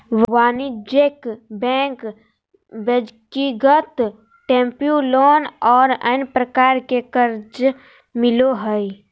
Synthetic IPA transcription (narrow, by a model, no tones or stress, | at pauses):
wʋaːnid͡ʒekbɛ̃ːŋk | bed͡ʒkiɡət̪ | ʈẽːmpjuloːnɔːɾə̰npɾəkaːɾkekəɾd͡ʒ | mɪloɦəi